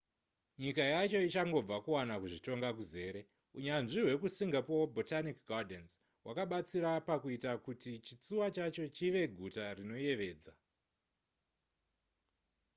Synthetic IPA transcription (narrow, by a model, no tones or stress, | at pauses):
ɲikajat͡ʃo̞it͡ʃaŋɡo̞b͡vakuwanakuʐito̞ŋɡakuze̞ːɾe̞ | uɲanʐiɦwe̞kusiŋɡapoobʱo̞tanikɡadens | wʔakaɓat͡siɾapakuitakutit͡ʃit͡suwat͡ʃat͡ʃo̞t͡ʃiʋe̞ɡʱutarino̞je̞ʋe̞ːd͡za